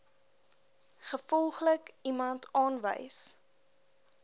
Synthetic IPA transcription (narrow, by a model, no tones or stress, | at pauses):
χəfɔlˠχləkimɐntʰɑːnvə̰js